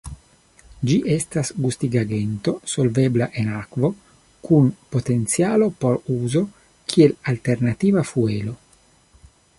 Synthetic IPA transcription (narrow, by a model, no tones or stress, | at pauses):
d͡ʒiʔɛst̪asɡust̪iɡaɡent̪osolveblaʔenakvo | kʰunpot̪ent̪sjaːlopoɾuːzo | k̟ʰielalt̪ernat̪iːvafueːlo